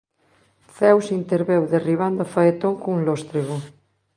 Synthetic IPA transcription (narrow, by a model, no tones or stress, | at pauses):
θɛwsint̪eɾβewðeriβ̞and̪ʊfaet̪oŋkoŋuŋlost̪ɾeɣo